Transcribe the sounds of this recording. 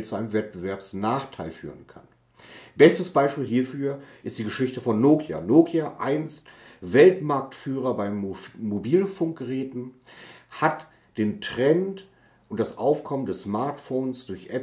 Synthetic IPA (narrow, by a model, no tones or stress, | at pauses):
t͡suʔaɪnəmvɛt̚b̥əvɛɐpsnaːχtʰaɪlfyːʁənkʰa̰n | b̥ɛstəsb̥aɪʃpiːlɦiːɐfyːɐʔɪstd̥iːɡəʃɪçtəfɔnːoːkʰja̰noːkʰjaʔaɪnstvɛltmaɐk̚tfyːʁɐbaɪmːobiːlfʊŋk̚ɡ̥əʁɛːtn̩ | hat | d̥eːntʁ̥ɛnt | ʔʊntd̥asʔaʊfkʰɔməndɛsmaɐtfoːnsd̥ʊɐçʔɛp